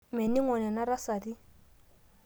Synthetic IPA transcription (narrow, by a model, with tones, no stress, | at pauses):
mɛ˨ni˦ŋɔ˨nɛ˨na˦ɾa˦sa˨di˦